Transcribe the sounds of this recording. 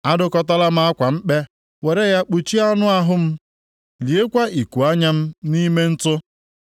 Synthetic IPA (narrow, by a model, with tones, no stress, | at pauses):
a˦dʊ˦kɔ˦ta˦la˦m̩˦a˦kʷa˨m̩˦k͡pe˦ | we˨ɾe˦ja˦k͡pu˨t͡ʃi˦a˦nʊ˦a˦ɦʊ˦m̩˦ | li˨e˦kʷa˦i˨ku˨a˦ɲa˦m̩˦ni˦me˦n̩˦tʊ˦